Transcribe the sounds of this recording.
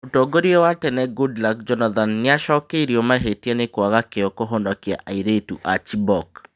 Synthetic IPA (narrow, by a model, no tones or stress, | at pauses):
otoɡoɾiewatɛnɛɡudlak̚d͡ʒɔnad̪anːɪaʃɔkeɾjomaɦetjanɪkwaɣakeɔkoɦondɔkja̰ʔaiɾetṵʔat͡ʃibɔk